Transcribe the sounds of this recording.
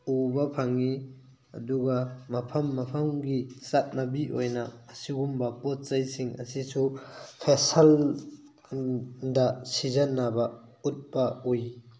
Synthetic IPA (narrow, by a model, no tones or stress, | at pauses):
ubɐpʰaŋi | ɐ̰duɡɐmɐpʰɐmːɐpʰɐmɡisat̚nɐbiʔojnɐːsiɡumbɐpɔt̚t͡ʃɐjsiŋɐ̰sisupʰesɐl | dɐsizɐnːabɐ | ut̚bɐuj